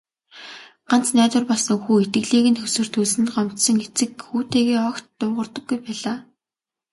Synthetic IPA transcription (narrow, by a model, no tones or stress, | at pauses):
ɢ̥an̥t͡snæːt̪wə̆rpɔɮsə̆ŋxuːet̪ɡɘ̆ɮiːɣɘ̆nxʰɵsɵ̆r̥t̪ʰɵɮsɘ̆nt̪ɢɔm̥t̪sɞ̆ŋet͡sɘ̆kxuːt̪eːɣeːɔk̪ːʊːʁə̆rt̪ɞ̆ɡːujpæːɮaː